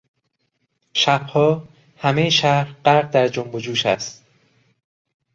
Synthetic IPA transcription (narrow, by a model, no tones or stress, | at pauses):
ʃæb̥hɒː | hæmejeʃæhɾɢæɾʁ̚d̪æɾd͡ʒombod͡ʒuːʃæ̰st̪